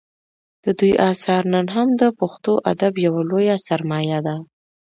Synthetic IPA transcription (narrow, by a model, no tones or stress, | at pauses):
d̪̥əd̪ujʔɑsɑɾnənɦamd̪əpoxt̪oʔa̰d̪abjawalojasaɾmɑjad̪a